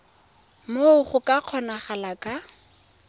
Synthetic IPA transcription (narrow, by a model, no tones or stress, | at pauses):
moʊχʊkʼaq͡χʰɔnaχalakʼa